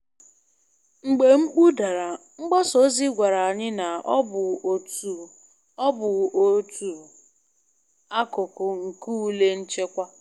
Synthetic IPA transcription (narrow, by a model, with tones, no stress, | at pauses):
ŋ͡m̩˨ɡ͡be˨ŋ͡m̩˦k͡pu˦da˨ɾa˨ | ŋ͡m̩˦ɡ͡bɔ˦so˨˦zi˦ɡʷa˨ɾa˨a˨ɲɪ˦na˨ɔ˦bʊ˨tu˨ | ɔ˦bʊ˨o˨tu˨ | a˦kʊ˨kʊ˨ŋ̩˨ku˦le˦n̩˦t͡ʃe˦kʷa˦